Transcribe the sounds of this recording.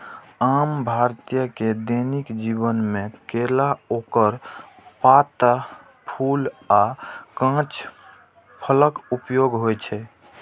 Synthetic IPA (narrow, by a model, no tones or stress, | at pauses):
ambʱaɾt̪ijəked̪enikd͡ʒibənmẽkelaokəɾ | pat̪ | pʰulakãt͡ʃ | pʰələkupjoɡɦojt͡ʃʰɛ